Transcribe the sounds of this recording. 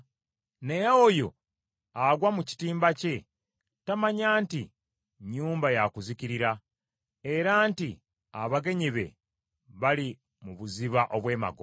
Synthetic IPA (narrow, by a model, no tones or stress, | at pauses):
nejaojo̞ | aɡwamuci̥tiːmbace̞ | tamaɲaːntḭ | ɲuːmbajakuziciɾiɾa | e̞ɾaːnti | aβaɡe̞ɲiβe̞̰ | βali | muβuziβaʔo̞βwe̞ːma̰ɡo